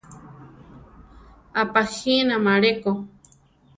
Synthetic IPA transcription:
apaxinamaɾeko

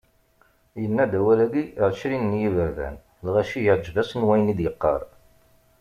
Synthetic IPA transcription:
jənːæd̪æwælæɡiɾʃɾinnjivəɾðæ̰n | lʁæʃijəʕd͡ʒðæsənwæjənid̪jəqːɑ̰ɾˤ

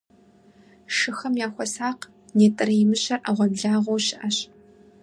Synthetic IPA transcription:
ʂɨxɐmjaːxʷɔsaːq | neːtʼɐrɐjɪmɨɕɐrʔɐʁʷɐbɮaːʁʷowɕɪʔɐɕ

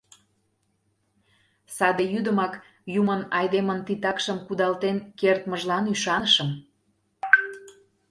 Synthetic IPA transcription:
sɑd̪ejyd̪əmɑk | jumənɑjd̪emənt̪it̪ɑkʃəmkud̪ɑlt̪enkert̪məʒlɑnyʃɑnəʃəm

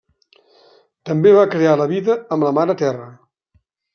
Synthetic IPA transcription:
t̪əmbeβakɾealəβiðəːmləmaɾət̪ɛrə

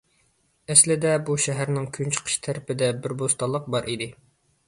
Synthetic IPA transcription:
ɛslɪd̪ɛbuʃɛɦæɾnɪŋkʲʰynt͡ʃʰə̥qʰə̥ʃt̪ʰæɾɪpɪd̪ɛbɪɾbost̪ɑlˠːəq̚bɑɾʔid̪ɪ

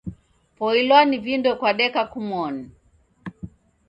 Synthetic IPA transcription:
pɔilwanivindɔkwaɗɛkakumɔni

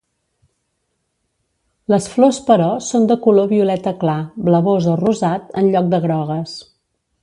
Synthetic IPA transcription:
ləsflospəɾɔsond̪əkuloβiulɛt̪əklabləβozəruzat̪ə̰nʎɔk̚d̪əɣɾɔɣ̞əs

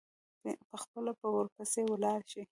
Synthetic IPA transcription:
pəxpəlopəwoɾkəsewlɑɾʃi

